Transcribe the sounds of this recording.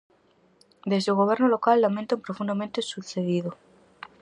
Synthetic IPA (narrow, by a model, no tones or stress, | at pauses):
d̪e̞zðeuɣo̞β̞e̞ɾnolo̞kalːamẽnt̪ampɾofund̪amẽnt̪esuðθeðiðo